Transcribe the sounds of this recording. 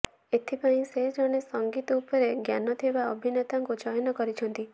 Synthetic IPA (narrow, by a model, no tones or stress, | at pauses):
et̪ʰipaĩsed͡ʒɔɽ̃esɔŋɡit̪ɔupɔɾeɡja̰nɔt̪ʰibaɔbʱinet̪aŋkud͡ʒɔjɔnɔkɔɾit͡ʃʰɔnt̪i